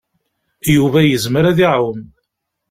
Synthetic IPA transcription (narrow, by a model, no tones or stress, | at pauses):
juvæjəzməɾæðiʕwəm